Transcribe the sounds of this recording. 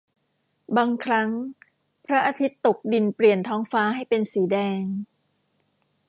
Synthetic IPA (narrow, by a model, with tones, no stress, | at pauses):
baː˧ŋkʰɾa˦˥ŋ | pʰɾa˦˥ʔaː˧t̪ʰi˦˥t̪ːo˨˩k̚di˧npli˨˩ənt̪ʰɔː˦˥ŋfaː˦˥ɦa˥˩jpe˧nsiː˩˦dɛː˧ŋ